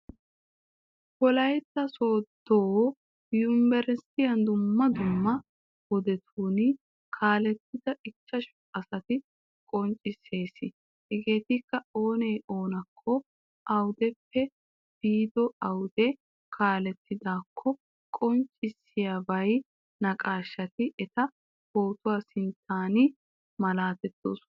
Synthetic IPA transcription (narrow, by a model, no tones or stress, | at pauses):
kɔlɐjt̪ːɐso̞ːd̪ːoː | jʊmbɛɾɛst̪ɪjɐnd̪ʊmːɐd̪ʊmːɐ | wɔd̪ɛt̪ʰuːn | kʰaːlɛt̪ːɪd̪̥ɐɪkːɐʃ | ɐsɐt̪ɪ | kʼɔnt͡ʃʼːɪse̞ːsɪ | hɛɡe̞ːt̪ɪkːɐo̞ːnɛjʔo̞ːnɐkʰːɔ | ʔɐwd̪ɛpːɛ | b̥iːd̪ɔɐwd̪ɛ | kʰaːlɛt̪ːɪd̪aːkʰːɔ | kʼɔnt͡ʃʼɪsːɪjaːbɐj | nɐkʼaːʃːɐt̪ɪʔɛt̪ɐ | ho̞ːt̪ʊwaːsɪnt̪ʰaːnɪ | mɐlaːt̪ɛt̪ːo̰ːs